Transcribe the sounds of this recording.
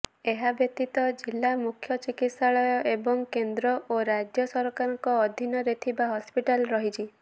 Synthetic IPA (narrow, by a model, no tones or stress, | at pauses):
eɦabjɔt̪it̪ɔd͡ʒilːamukʰjɔt͡ʃikit̪saɭɔjɔʔebɔŋkend̪ɾɔʔoɾad͡ʒjɔsɔɾkaɾɔŋkɔːd̪ʱinɔɾet̪ʰibaɦɔspiʈalɾɔɦit͡ʃʰi